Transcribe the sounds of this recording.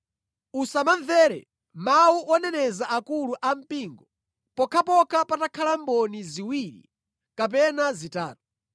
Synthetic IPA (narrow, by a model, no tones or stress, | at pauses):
usamanvɛːɾɛ̰ | mauɔnɛnɛzaʔakuluʔam̩piːŋɡɔ | pɔkʰapɔkapatakʰalambɔniziwiɾḭ | kap̬ɛnazitaːtu